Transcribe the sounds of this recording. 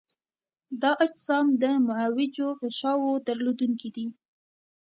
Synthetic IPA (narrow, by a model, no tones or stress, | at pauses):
d̪ɑʔad͡ʒsɑmd̪əmʊʕawɪd͡ʒoɣɪʃɑwod̪aɾlod̪uŋkid̪i